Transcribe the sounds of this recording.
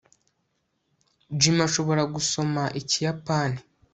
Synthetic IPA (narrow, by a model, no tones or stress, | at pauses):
d͡ʒimaʃo̞βo̞ɾaɡuso̞maʔicijapaːni